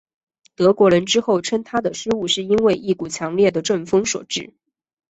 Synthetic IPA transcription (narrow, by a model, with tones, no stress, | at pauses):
t̪ɤ˧˥kwɔ˧˥ɻə˧˥nʈ͡ʂɻ̩˥xo˥˩ʊʈ͡ʂʰə˥nt̪ʰa˥d̪ə˨ʂɻ̩˥u˥˧ʂɻ̩˥˩i˥nwe˥˧ɪʔi˥˩ku˨˩t͡ɕʰjɑ˧˥ŋljɛ˥˩d̪ə˩ʈ͡ʂə˥˩nfɤ˥ŋswɔ̰˨˩ʈ͡ʂɻ̩˥˩